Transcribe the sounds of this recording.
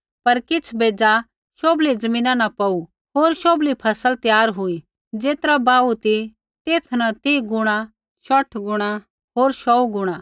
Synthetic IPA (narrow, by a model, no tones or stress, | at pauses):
pɐɾkɪt͡sʰbeːd͡za | ʃoːblid͡zɐmĩːnãnapɐu | ɦoːɾʃoːblipʰɐsəlt̪jaːɾɦʊi | d͡zeːt̪ɾabaːut̪i | t̪eːt̪ʰnat̪iːɡʊɽ̃a | ʃɔʈʰɡʊɽ̃a | ɦoːɾʃɔuɡʊɽ̃ã